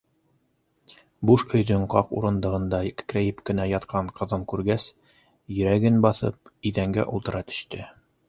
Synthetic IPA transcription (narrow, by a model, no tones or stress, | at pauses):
buʃɵ̆jðɵɴqɑqṵɾɤ̆nd̪ɤ̆ʁɤ̆nd̪ɑkkɾæjɘpkɘ̆næjɑt̪qʰɑɴqɤ̆ðɤɴkʉɾɡæs | jɵ̆ɾæɡɘnbɑθɤ̰p̚iðæŋɡæ̰ʔulˠt̪ɤ̆ɾɑt̪ɵ̥̆ɕt̪ɘ